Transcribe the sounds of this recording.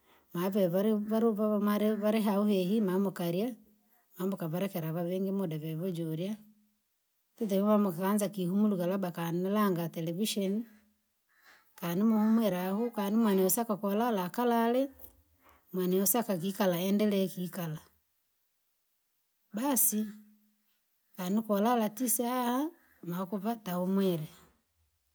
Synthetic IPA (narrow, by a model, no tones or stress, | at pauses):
maβɛβaɾβaɾβamaɾeβaɾeɦauhehimamukaɾja | mamokaβaɾɛkɛɾaβaβeːŋɡemodɛβɛβod͡ʒoɾja | titɛβumamukaɣaːnzakihumuluɣalabakaninalaŋɡatɛlɛviʃɔni | kaːnimahumwɛɾahukanimwanɛɔsakakwɔlalakalalɛ | mwanɛɔsakak̬ikalaɛndɛlɛkikala | basi | kaːnikwɔlalatisaa | makuβatahumwɛɾɛ